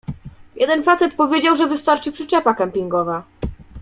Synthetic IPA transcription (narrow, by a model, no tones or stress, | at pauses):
jʔɛd̪ɛnfat̪sɛt̪pɔvʲjed͡ʑawʐɛvɘst̪aɾt͡ʂɘpʂɘt͡ɕɛpakampʲiŋɡɔva